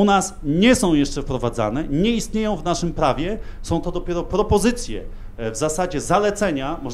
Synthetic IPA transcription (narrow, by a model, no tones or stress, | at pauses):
unasɲɛsɔ̃w̃jɛʂt͡ʂɛfpɾɔvad̪za̰nɛɲɛist̪̚ɲejɔ̃w̃vnaʂɘmpɾavʲjɛ | sɔ̃w̃t̪ɔd̪ɔpʲjɛɾɔpɾɔpɔzɘt̪sʲjɛ̰ | vzasad͡ʑɛzalɛt̪sɛɲamɔʐ